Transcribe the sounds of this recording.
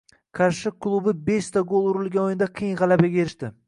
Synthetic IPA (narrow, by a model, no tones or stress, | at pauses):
kʰaɾʃɪkʰːlˠubɪbeʃt̪aɡolˠʊɾɪlɡʲanojɪnd̪aqʰijɪŋʁɑlabaɡʲaeɾɪʃt̪ɪ